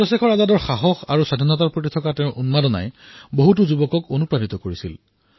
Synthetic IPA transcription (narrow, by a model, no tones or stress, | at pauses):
ɹɔsekɔɹazadɔɹxaɦɔxaɹusadʱinɔt̬aɹpɹot̬itʰɔkatɛʊ̃ʔunmadɔna̰jboɦut̬uzubɔkɔkonupɹanit̪ɔkoɹisil